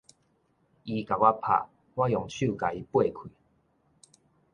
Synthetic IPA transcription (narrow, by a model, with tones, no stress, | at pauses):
i˧ka˨˩wa˦pʰa̰˨˧˩ | wa˦jɔ˨˩ŋt͡ɕʰu˥˨ka˨˩i˧˦pwe˥˨kʰwi˨